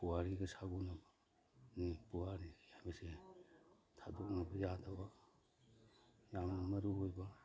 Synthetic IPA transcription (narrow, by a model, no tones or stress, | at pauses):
puwaɾiɡɐsaɡunɐbɐ | nipuwaɾikʰhajbɐse | tʰadok̚nɐbɐjadɐbɐ | jamnɐmɐɾuɦojbɐ